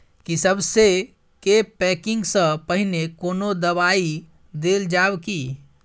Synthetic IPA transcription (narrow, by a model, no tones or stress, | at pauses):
kisəbse | kepɛkiŋɡsə̃pəɦinekonod̪əβai | d̪eld͡ʒabki